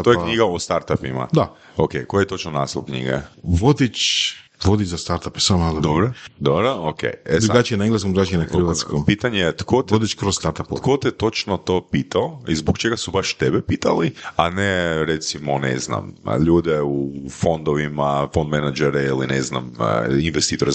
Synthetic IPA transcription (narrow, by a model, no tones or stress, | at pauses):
ttojekɲiɡaost̪aɾt̪apima̰d̪a | okejkojjet̪o̞t͡ʃnonaːst̪olkɲḭɡḛʋod̪it͡ʃ | ʋod̪it͡ʃzast̪aɾt̪ape̥samad̪od̪obɾod̪obɾookḛjed̪ɾuɡat͡ʃijenaeŋɡlˠeskomd̪ɾaʒeɲenaxr̩ʋat̪skompit̪aɲejet̪kot̪od̪it͡ʃkɾosst̪aɾt̪apo̰kot̪ɛt̪o̞t͡ʃnot̪opiːt̪aoizbokt͡ʃeɡasubaʃt̪ebepiːt̪alianeɾet̪simonḛzna̰mʎuːd̪eufo̞nd̪oʋimafond̪menad͡ʒeɾeilinezna̰m̰inʋest̪iːt̪oɾe